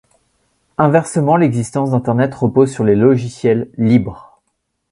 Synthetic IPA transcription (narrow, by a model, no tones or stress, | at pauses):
ɛ̃vɛʁsəmɑ̃lɛɡzist̪ɑ̃sd̪ɛ̃t̪ɛʁnɛt̪ʁəpozsyʁlelɔʒisjɛlːibʁ